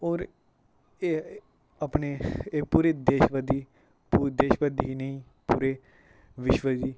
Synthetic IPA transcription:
ɔːɾ | e | əpneeːpuːɾed̪eːʃʋəd̪iː | pud̪eːʃʋəd̪iɦinəĩ | puːɾe | ʋɪʃʋəd͡ʒiː

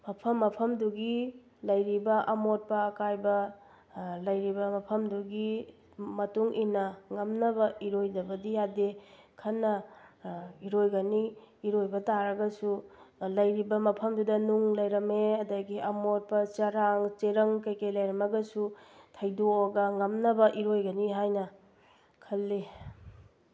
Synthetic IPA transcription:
mɐpʰɐmːɐpʰɐmduɡi | lɐjɾibɐʔɐmot̚pɐːkajbɐ | lɐjɾibɐmɐpʰɐmduɡi | mɐtuŋʔinɐŋɐmnɐbɐiɾojdɐbɐdijadekʰɐnːɐ | iɾojɡɐniːɾojbɐtaɾɐɡɐsulɐjɾibɐmɐpʰɐmdudɐnuŋlɐjɾɐmeɐdaɡiʔɐmoɾpɐt͡ʃɐɾaŋt͡ʃeɾɐŋkɐjkejlɐjɾɐmɐɡɐsutʰɐjdooɡɐŋɐmnɐbɐʔiɾojɡɐniɦajnɐ | kʰɐlːe

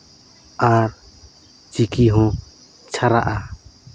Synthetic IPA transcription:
aɾ | t͡ʃikiɦɔ̃ | t͡ʃʰaɾaʔa

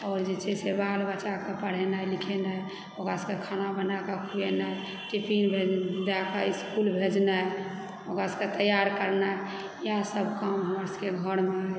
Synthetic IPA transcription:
ɔːɾd͡ʒet͡ʃɛsebalbət͡ʃakapəɽ̤enajlikʰena | oɡaskekʰanabənakakʰujenaj | ʈipʰinbʱed̪akaiskulbʱed͡ʒnaj | oɡasket̪əjaɾkəɾna | jasəbʱkamɦəməɾskeɡʱəɾmea

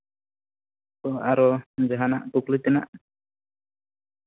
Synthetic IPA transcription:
tɔaɾɔd͡ʒaɦanaʔkuklit̪ɛna̰ʔ

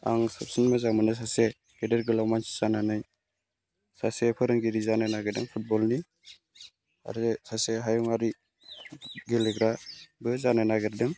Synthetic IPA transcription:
a̰ŋsap̚sinmazamɯnas̬ase | ɡedəɾɡɯlawmansi̥sananɯj | sasepʰɯɾɯŋɡiɾizanajnaɡedɯŋpʰut̚bɔlni | a̰ɾesaseɦajuŋaɾi | ɡeleɡɾabɯzanajnaɡeɾdɯŋ

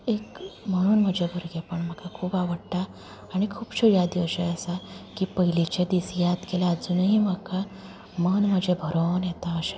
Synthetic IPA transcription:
ekməɽ̃uːnm̤əd͡ʑʱebʱəɾɡepəɳm̤əkakʰuːpaʋəɽʈ̪aː | ɽ̃ikʰuːbɕojad̪iəɕeəsakiːpəɦilit͡ɕed̪isjad̪kelaːd͡zuːnɦiːm̤əka | mənm̤əd͡ʑʱebʱəɾonjɛt̪aəɕe

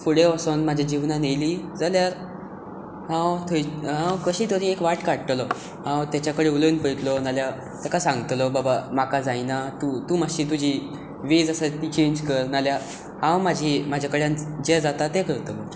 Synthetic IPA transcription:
fuɽeəsonmad͡ʑʱjad͡ʑiʋnanejliːd͡zaljaɾ | ɦãwt̪ʰojɦãwkəɕiːt̪əɾiekʋaʈkaɽəʈ̪lɔ | ɦãwt̪jat͡ɕakəɽeulinpəjt̪lɔnalja | t̪akasãŋɡt̪lɔbabamakad͡zajnat̪ut̪uːmaɕiːt̪̬ud͡ʑʱiː | ʋed͡zasət̪iːt͡ɕẽɲd͡ʑkəɾnalja | hãwmad͡ʑʱiːmad͡ʑʱakəɽjãnd͡ʑed͡zat̪at̪ekəɾt̪əm̤ət̪ə

